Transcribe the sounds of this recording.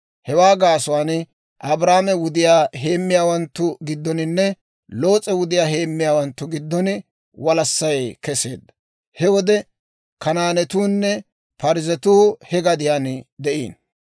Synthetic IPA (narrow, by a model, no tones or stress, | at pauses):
hɛwaːɡaːsʊwaːn | ʔɐbɾaːmɛwʊd̪ɪjaːɦeːmːɪjaːwɐnt̪ːʊɡɪd̪ːɔnɪnːɛ | lo̞ːt͡sʼɛwʊd̪ɪjaːɦe̞ːmːɪjaːwɐnt̪ːʊɡɪd̪ːɔnɪ | wɐlɐsːɐjkɛse̞̰ːd̪ːɐ̥ | hɛwɔd̪ɛ | kɐnaːnɛt̪uːnːɛ | pɐɾɪzɛt̪uːhɛɡɐd̪ɪjaːnd̪ɛʔḭːn